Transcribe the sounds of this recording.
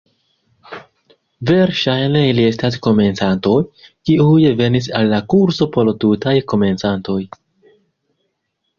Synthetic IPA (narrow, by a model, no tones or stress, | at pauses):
ve̞ɾʃajne̞ilie̞stasko̞me̞nt͡santo̞jkiujve̞nis̬alːakuɾso̞po̞ltutajko̞me̞nt͡santo̞j